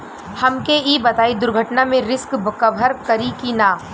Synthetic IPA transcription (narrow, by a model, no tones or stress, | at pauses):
hɐmkeiːbɐt̪aːid̪ʊɾɡʱəʈnamẽɾɪskbʱəkəbʱəɾkɐɾikinaː